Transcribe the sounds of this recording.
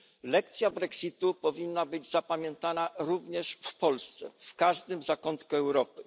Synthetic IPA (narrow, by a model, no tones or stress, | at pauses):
lɛk̚t̪sʲjabɾɛksʲit̪upɔvʲinːabɘd͡ʑzapamʲjɛnt̪anaɾuvɲɛʂfpɔlst̪sɛ̰fkaʐd̪ɘmzakɔnt̪kuɛwɾɔpɘ